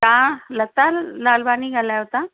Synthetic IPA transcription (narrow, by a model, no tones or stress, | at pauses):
kãlət̪alalbaniːɡʱalaɦot̪a